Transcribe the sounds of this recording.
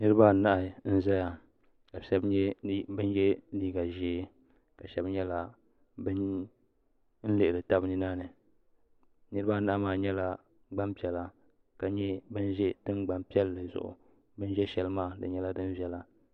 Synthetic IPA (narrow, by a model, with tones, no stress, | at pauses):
nɨ˦ɾɨ˦ba˦˨na˦ʔn̩˦za˦ja˨ | ka˨ʃɛ˦bɛ˦bɨ˦n˦jɛ˦liː˦ɡa˨ʒeː˦ | ka˨ʃɛ˦bɲɛ˦la˨ | bɨ˦n | n̩˦lɨ˨ʔɪ˨ɾɨ˨ta˦bnɨ˦naː˦nɨ˨ | nɨ˦ɾɨ˦ba˦˨na˦ʔmaː˨ɲɛ˦la˦ | ɡ͡ba˦mpɛ˨la˨ | ka˨ɲɛ˦bɨ˦n˦ʒɛ˦dɨ˦nɡ͡ba˨mpi˦ɛ˦lːɨ˨zʊ̰˨ʔʊ̰˨ | bɨ˦n˦ʒɛ˦ʃɛ˨lɨ˦maː˦˨dɨ̰˨ɲɛ˦la˦dɨ˦n˦vɛ˦la˨